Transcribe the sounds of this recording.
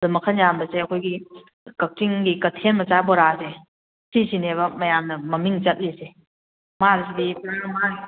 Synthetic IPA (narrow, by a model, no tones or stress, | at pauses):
dumɐkʰənjambɐseɐkʰojɡi | kɐk̚tiŋɡikɐtʰenmɐt͡ʃabɔɾase | sisineβɐmɐjamnɐmɐmiŋt͡ʃɐt̚lise | maɾisidipɾamaɾi